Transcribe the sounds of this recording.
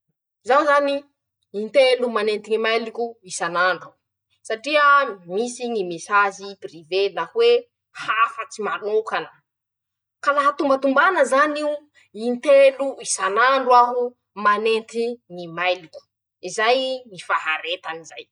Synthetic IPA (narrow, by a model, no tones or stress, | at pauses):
zanzani | int̪elumanent̪iŋimajlikuisanaɳɖ͡ʐa | saʈ͡ʂiəmisiŋimesaziprivelahwe | hafət͡simanokanə | kalaɦat̪umbat̪umbanəzaniu | int̪eluisanaɳɖ͡ʐwaɦu | manent̪iŋimajlikʲu̥ | izajŋifaɦaɾet̪anizaj